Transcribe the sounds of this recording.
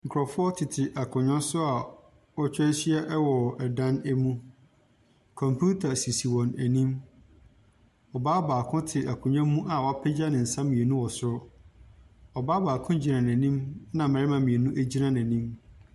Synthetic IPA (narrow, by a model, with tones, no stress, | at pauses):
ŋ̩˨kʰɾɔ˨fʊ˦ɔ˦tʰɪ˨tʰɪ˨ʔa˨kʰʊ̃˨ɲã˦sʊ˦a˨ | ɔ˦t͡ɕᶣɛ˦si˦ɛ˦ʔɛ˦wɔ˨ɛ˨dã˦næ˦mũ˦ | kʰɔ̃˨mpʰu˦tʰa˨si˨si˨wɔ̃˨næ˨nĩ˦m | ɔ˨baː˦baː˨kʰʊ̃˦tʰɪ˨ʔa˨kʰʊ̃˨ɲɔ̃˦mũ˦ʔa˨wɔ˨˦a˦pʰɛ˦d͡ʑa˦nɪ̃˨n̩˨sã˦mĩ˨e˨nũ˦wɔ˨sʊ˦ɾʊ˦ | ɔ˨baː˦baː˨kʰʊ̃˦d͡ʑi˨nã˨n˨æ̃˨nĩ˦mnã˨mɪ̃˨ɾɪ˦mã˨mĩ˨e˨nũ˦ʔæ˦d͡ʑi˦nã˦n˨æ̃˨nĩ˦m